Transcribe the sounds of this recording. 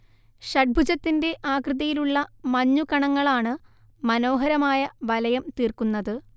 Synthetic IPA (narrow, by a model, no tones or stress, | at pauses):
ɕɐʈ̚bʱud͡ʑɐt̪ːinde̞ʔaːkrɨðɐjiluɭːɐmɐɲːukɐɳɐŋːɐɭaːɳɨ | mɐno̞ːɦɐɾɐmaːjɐʋɐlɐjɐmt̪iːrkunːɐðɨ